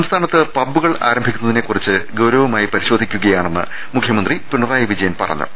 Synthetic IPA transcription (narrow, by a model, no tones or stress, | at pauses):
sɐmst̪ʰaːnɐt̪ːɨpɐbːuɣɐɭa̰ːɾɐmbʱikʲːunːɐðine̞kːurit͡ɕːɨɡɐwɾɐʋɐmaːjipɐɾiɕo̞ːd̪ʱikʲːuɣɐjaːɳe̞nːɨ̰ | mukʰjɐmɐnd̪ripiɳɐraːjɐʋid͡ʑɐjɐnpɐ̰rɐ̰ɲːṵ